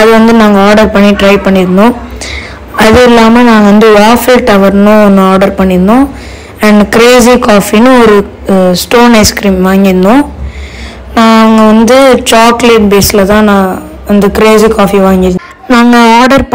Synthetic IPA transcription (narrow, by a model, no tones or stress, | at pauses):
ɐðɯʋɐnd̪ɯnaːŋɡɐaːɾɖɐɾpɐɳːiʈɾɐɪpɐɳːɪɾɯnõ | ɐðɯɪlːaːmɐnãːɡɐʋɐnd̪ɯaːfɪlʈɐʋɐɾnʊ̃nːaːɾɖɐɾpɐɳːɪɾɯnːõː | ɐɳɖkɪɾeːs̬ikaːfinɯ̃ɔɾɯ | sʈoːnɐɪskɾiːmʋaːŋɡɪɾɯnɖʊ̃ː | naːŋɡɐʋɐnd̪ɯt͡ʃaːkleːʈ̚beːsɪlɐt̪ãːnãː | ʋɐnd̪ɯkɪɾeːsikaːfiʋaːŋɡɪɾɯ | naːŋɡɐaːɾɖɐɾp